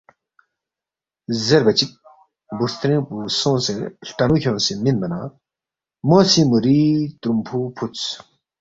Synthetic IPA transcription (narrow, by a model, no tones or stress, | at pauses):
zɐɾbɐt͡ɕik̚ | buɾst̪ʰɾẽːpuːsõːseɬʈɐnukʰʲjõːseminbɐnaː | moːsimuɾiːt̪ɾumpʰuːpʰut͡s